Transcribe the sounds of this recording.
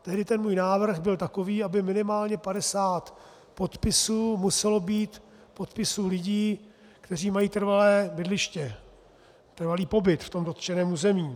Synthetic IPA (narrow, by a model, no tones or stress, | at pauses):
t̪ɛɦdɪt̪ɛnmuːjnaːvr̩xbɪlt̪ako̞viːabɪmɪnɪmaːlɲɛpadɛsaːt̪ | po̞t̪pɪsuːmusɛlo̞biːt̪ | po̞t̪pɪsuːlɪɟiː | kt̪ɛr̝iːmajiːt̪r̩valɛːbɪdlɪʃcɛ | t̪r̩valiːpo̞bɪt̪ft̪o̞mdot̪t͡ʃɛnɛːmuːzɛmiː